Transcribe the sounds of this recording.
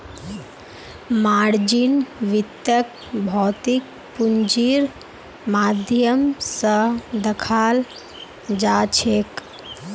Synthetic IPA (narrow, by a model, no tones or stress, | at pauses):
maːɾd͡ʒinʋit̪jək̚ | bʱɔːt̪ik̚ | pund͡ʒiɾ | maːd̪ʱjəmsəd̪əkʰaːl | d͡ʒaːt͡ʃʰek